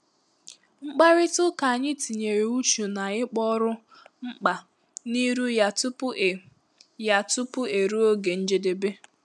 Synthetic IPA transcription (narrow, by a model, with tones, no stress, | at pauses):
ŋ͡m̩˦k͡pa˦ɾɪ˦tʊ˦ka˨a˨ɲɪ˦ti˨ɲe˨ɾe˨u˦t͡ʃu˨na˨ɪ˦k͡pɔ˦ɾʊ˦ | ŋ͡m̩˦k͡pa˨ | ni˦ɾu˦ja˨tʊ˦p | ja˦tʊ˦pʊ˦e˨ɾu˦o˦ɡe˨n̩˦d͡ʒe˦de˨be˦